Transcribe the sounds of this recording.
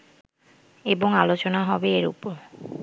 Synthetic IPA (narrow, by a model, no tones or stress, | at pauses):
eboŋalot͡ɕonaɦɔbeeɾṵpoɾ